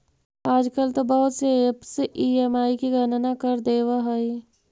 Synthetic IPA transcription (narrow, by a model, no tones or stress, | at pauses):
aːd͡ʒkəlt̪obɐɦʊt̪sepseʔieːmaːikiɡʱənnakəɾd̪eːwaɦəi